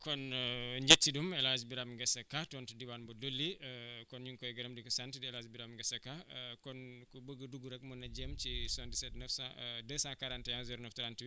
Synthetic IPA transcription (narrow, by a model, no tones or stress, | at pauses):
kɔnɲd͡ʒetːidumɛlazbiɾamɡɛsɐkatɔntidiwanbɔdolːikɔnɲuŋkɔiɡɐɾɐmdikɔsantidɛlazbiɾamŋɡɛsɐkakɔnkɔbəɡɐduɡuɾɛk̚munːɐd͡ʒɛmt͡ʃisɔndisɛtnɛfsadɛsãkaɾantɛanziɾɔnɔftɾant